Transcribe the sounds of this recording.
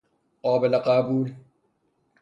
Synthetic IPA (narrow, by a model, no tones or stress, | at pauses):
oːbɐlɐqaːbuːl